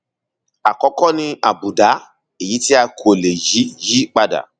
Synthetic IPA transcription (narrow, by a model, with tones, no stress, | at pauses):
a˨kɔ˨˧˦kɔ˦nĩ˧a˨bu˨da˨˦ | e˨ji˨˦ti˦a˧kʰo˨le˨ji˨˦ji˦k͡pa˦da̰˨